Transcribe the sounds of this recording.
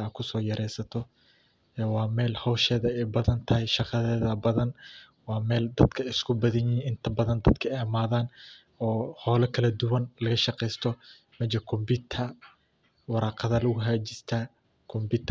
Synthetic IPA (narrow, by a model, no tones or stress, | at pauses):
ɐːkʰʊsɔːjɐɾʔɛjsɐt̪ʰɔ | ɛːwɑːmɛːlhɔwʃɛːðɐɛjbɐðɐnt̪ʰɐɦɛjʃɑqɑðɛːðɐbɐðɐn | wɑːmɛːld̪ɐd̪̥kʰɐɪskʰʊbɐðɐɲɪiɪnt̪ʰɐbɐðɐnd̪ɐd̪kʰɐɛmaːðaːn | ɔːhɔːlɛkʰɐlɐd̪ʊwɐnlɐɣɐʃɑqɛjst̪ʰɔ | mɐd͡ʒɐkʰʊmbɪt̪ʰɐ | wɑɾɑːqɑðɐlɐɣʊɦaːd͡ʒɪst̪ʰaː | kʰʊmbɪt̪ʰ